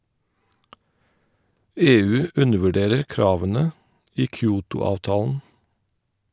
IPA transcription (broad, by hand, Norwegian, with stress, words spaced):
ˈeːˌʉː ˈʉndəʋʉˌɖeːɾəɹ ˈkɾɑːʋənə ˈʔiː ˈkjuːtʊˌɑːʋtɑːln̩